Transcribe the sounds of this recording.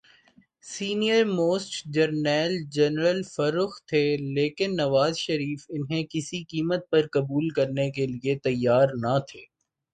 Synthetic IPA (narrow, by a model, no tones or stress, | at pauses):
siːnijəɾmoːsʈd͡ʒɐɾnɛːld͡ʒɛnɾəlfɐɾʊxt̪ʰeːleːkɪnːɐʋaːzʃɐɾiːfɪnɦẽkɪsikiːmət̪̚pɐɾkɐbuːlkɐɾnekeliet̪ɐjːaːɾnɐt̪ʰeː